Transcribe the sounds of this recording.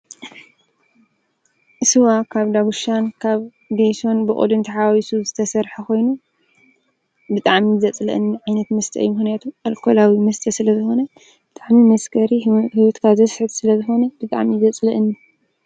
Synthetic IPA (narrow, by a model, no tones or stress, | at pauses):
ʔɨsɨwakʰaβd̪aβuʃankʰaβ | ɡ̪ejso̞nbɨʔʼo̰d̪ɨnt̪ʰiħawwisuzɨt̪ʰɐsɐɾħɐkʰo̞jnu | bɨt̪ʼaʕmizɐt͡sʼlɐ̰ʔɨnːiʕajnɐt̪mɐst̪ʰɐʔɨ̰jumɨxnijat̪ʰualkʰolawimɐst̪ʰɐsɨlɐzɨxo̞nɐ | b̥ɨt̪ʼaʕmimɐskʰɐɾihiwot̪kʰazɐsħɨt̪sɨlɐzɨxo̞nɐb̥ɨt̪ʼa̰ʕmizɐt͡sʼlɐʔɨnːi